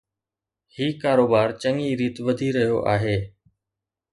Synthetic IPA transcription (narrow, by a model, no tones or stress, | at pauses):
hiːkaːɾoːbaːɾt͡ɕəŋiɾiːt̪ʋəd̪ʱiɾɐɦijoʔa̰ːɦeː